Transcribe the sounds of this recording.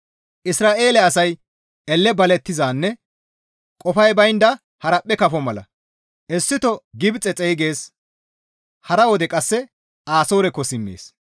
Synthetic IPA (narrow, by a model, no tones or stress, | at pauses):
ʔɪsɾaːʔe̞ːlɛɐsɐj | ɛlːɛbɐlɛt̪ːɪzaːnːɛ | kʼɔfɐjbɐjnd̪ɐ | hɐɾɐpʼːɛkɐfɔmɐlɐ̰ | ʔɛsːɪt̪ɔɡɪbt͡sʼɛt͡sʼɛjɡe̞ːs | hɐɾɐwɔd̪ɛkʼɐsːɛ | aːsoːɾɛkːɔsɪmːḛːs